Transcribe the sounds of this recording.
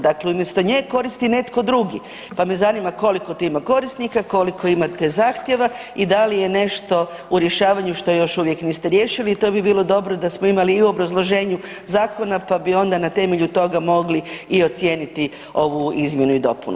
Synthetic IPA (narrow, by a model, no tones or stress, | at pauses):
d̪akleumjest̪o̞ɲeko̞ɾist̪ine̞t̪ko̞d̪ɾuɡi | pamezanimako̞liko̞t̪oimako̞ɾist̪nikako̞liko̞imat̪ezaːxt̪je̞ʋa | id̪alije̞ne̞ʃt̪o̞ | uɾje̞ʃaːʋaɲuʃt̪o̞jo̞ʃuʋje̞kniːst̪eɾje̞ːʃiliːt̪o̞bibiːlˠo̞d̪o̞bɾo̞d̪asmoimaliːuo̞bɾazlˠo̞ʒe̞ːɲu | zaːko̞napabio̞nd̪anat̪e̞meʎut̪o̞ɡamo̞ɡliio̞t̪sʲje̞ːnit̪i | o̞ʋuizmje̞nuid̪o̞punṵ